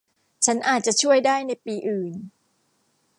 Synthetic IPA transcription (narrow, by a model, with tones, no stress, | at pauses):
t͡ɕʰa˦˥nʔaː˨˩t̪̚t͡ɕa˨˩t͡ɕʰu˥˩əjdaː˥˩jna˧jpiː˧ʔɯː˨˩n